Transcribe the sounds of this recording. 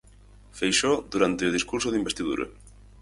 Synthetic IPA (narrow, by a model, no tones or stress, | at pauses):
fejʃod̪uɾant̪ɪʊð̞iskuɾsoðimbest̪iðṵɾɐ̰